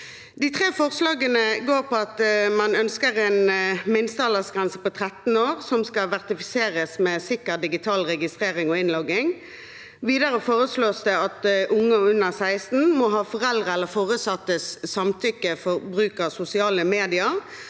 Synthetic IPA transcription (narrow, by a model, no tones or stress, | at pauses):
d̪ɪt̪ʰʁeːfɔʁslɑːɡənəɡoːʁpɔɑt̪mɑnœnskəʁɛnmɪnst̪ɑləsɡʁɛnsəpɔt̪ʰʁɛt̪n̩oːʁsɔmskɑʋæʁt̪ɪfɪseːʁəsmɛːsɪkəʁd̪ɪɡɪt̪ʰɑːlʁɛɡɪst̪ʁeːʁɪŋɔɪnlɔɡːɪŋ | ʋiːd̪ɑʁəfoːʁəsloːsd̪ɛɑt̪ʔʊŋːəʉnːəʁsæɪst̪n̩mɔɦɑːfɔʁɛld̪ʁəɛlːəʁfoːʁʉt̪sɑt̪ːəsːɑmt̪ʰʏkːəfɔʁbʁʉːkəʁsʊsɪɑːləmeːd̪ɪəʁ